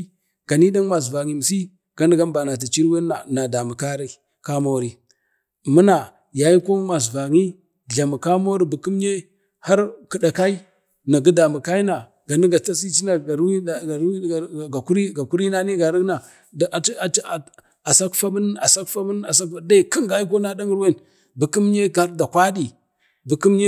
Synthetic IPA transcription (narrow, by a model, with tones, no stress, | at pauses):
ɡ̥a˨ni˦da˦ŋ˦ma˨s̬va˨ŋi˨m˨si˦ | ɡ̥a˨˦n˦ɡa˦mba˨na˨t̬a˨t͡ʃi˦ɾwe˦a˨na˨da˨mu˨ka˦ɾa˦ | ka˦mo˦ɾi˨ | mu˦na˨ | ja˨ji˦ko˦ma˨s̬va˨ŋi˦ | ɮa˨mu˨ka˦mo˦ɾi˦bu˨ku˦m˦ɲe˦ | ha˦ɾkə˨ɗa˨ka˦i˦ | na˨ɡə˦da˨mu˨ka˦i˦na˨ | ɡa˨ni˦ɡa˨ta˦si˦t͡ʃi˦na˨a˨ɾi˦˨a˨ɾɡa˨ku˦ɾi˦ɡa˨ku˦ɾi˦na˦ni˦ɡa˨ɾi˦na˨ | da˨˦˨ | a˨sa˦kfa˦mə˦n˦a˨sa˦kfa˦mə˦n˦a˨sa˦ka˨˦da˦i˨ki˦ŋɡa˨˦ji˦k̬o˦na˦da˦ŋi˦ɾwe˦˨n | bu˨ki˦m˦ɲe˦a˦ɾda˨kʷa˦di˨ | bu˨ku˦mɲe˦